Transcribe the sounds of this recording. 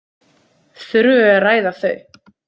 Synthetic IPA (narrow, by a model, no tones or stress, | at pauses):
θɾʏɛraːjðaθœɥ